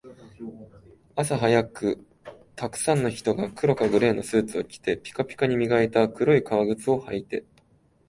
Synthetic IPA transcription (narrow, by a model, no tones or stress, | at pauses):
asaɦajakɯ̟ | t̪akɯ̟̥sãnːo̞çi̥t̪o̞ɡakɯ̟ɾo̞kaɡɯ̟ɾe̞ːno̞sɨːt͡sɨo̞kʲi̥t̪e̞pʲi̥kapʲi̥kaɲ̟imʲiɡaet̪akɯ̟ɾo̞ikaβaɡɯ̟t͡sɨo̞hait̪e̞